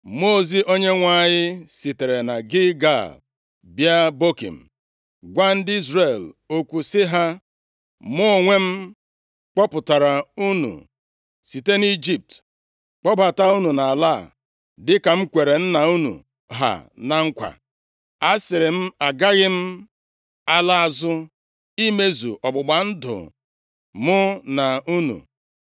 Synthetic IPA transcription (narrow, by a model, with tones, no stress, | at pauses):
mo˦˨zi˦ʔo˦ɲe˦ŋʷa˦˨ɲɪ˦si˨te˨ɾe˨na˨ɡɪ˦ɡa̰˦˨ | bja˦bo˦kḭ˨m̩˨ | ɡʷa˦n̩˦di˦zɾe˨lo˦kʷu˨sɪ˦ɦa˦ | mʊ˦˨ŋʷe˦m̩˦ | k͡pɔ˦pʊ˨ta˨ɾa˨u˦nṵ˨ | si˨te˦ni˦d͡ʒi˨p̚t | k͡pɔ˦ba˨ta˦u˦nu˨na˨a˨la˦˨ | dɪ˦ka˨m̩˦kʷe˨ɾe˨n̩˦na˨u˦nṵ˨ | ɦa̰˨na˨ŋ̩˦kʷa̰˨ | a˦sɪ˨ɾɪ˨m̩˦a˨ɡa˦ɣɪ˦m̩˦ | a˦la˦a˨zʊ˦ | i˦me˦zṵ˨ʔɔ˨ɡ͡bʊ˨ɡ͡ba˨n̩˦dʊ̰˨ | mʊ˦na˨u˦nṵ˨